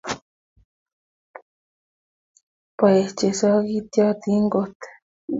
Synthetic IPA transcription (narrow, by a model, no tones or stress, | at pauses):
paeht͡ʃesakit̪jat̪iŋɡot̪e̥